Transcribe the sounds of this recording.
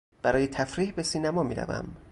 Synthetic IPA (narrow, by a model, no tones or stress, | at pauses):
b̥æɾɒːjet̪ʰæfɾiːhbe̞siːnæmɒːmḭːɾæ̰væ̰m